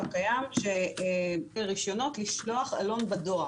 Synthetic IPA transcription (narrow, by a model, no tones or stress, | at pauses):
kajamʃe | ʁiʃjo̞no̞tliʃlo̞aχa̰lo̞nbado̞a